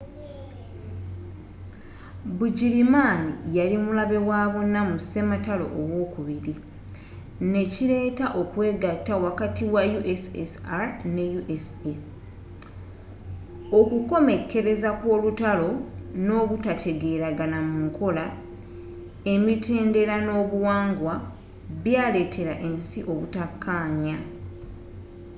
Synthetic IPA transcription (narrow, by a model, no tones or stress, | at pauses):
buɟiɾimanijalimulaβe̞waːβo̞nːamuse̞matalo̞̰ʔːwo̞ːkuβiɾi | ne̞ciɾe̞ːtaʔo̞kwe̞ːɡatːawakatiwajuʔesesaɾne̞juʔese | okuko̞me̞kːe̞ɾe̞zakwo̞ːlutalo̞no̞ːβutatʰe̞ɡe̞ːɾaɡanamuŋkʰo̞la | e̞mite̞ːnde̞ɾano̞ːβuwaːŋɡwa | βjaːle̞tʰe̞ɾaʔe̞nsiʔo̞βutakʰːaːɲa